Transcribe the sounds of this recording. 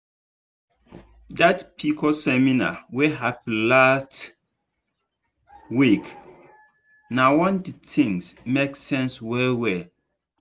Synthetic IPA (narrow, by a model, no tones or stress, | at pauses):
datpʰikʰɔsɛmina̰weɦapnlast | wik | nawɔ̃nditʰĩŋsmeksɛ̃nswɛlwɛ